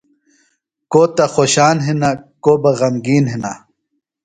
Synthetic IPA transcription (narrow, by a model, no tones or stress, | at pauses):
koːt̪ɐxoɕaːnɦinakoːbɐɣɐmɡiːnɦina̰